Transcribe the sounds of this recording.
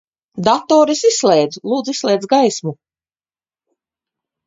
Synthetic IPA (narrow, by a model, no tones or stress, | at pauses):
d̪at̪ɔːɾisisslˠɛjd̪zlˠuːd̪zisslʲˠɛːd̪zɡajsmu